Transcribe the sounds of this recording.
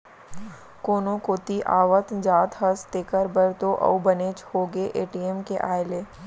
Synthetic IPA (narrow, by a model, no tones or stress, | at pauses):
koːnõkoːt̪iʔa̰ːʋət̪d͡ʒaːt̪ɦəst̪eːkəɾbəɾt̪oʔɐ̰ubəneːt͡ʃhoːɡeʔeːʈiemkeʔaːɪleː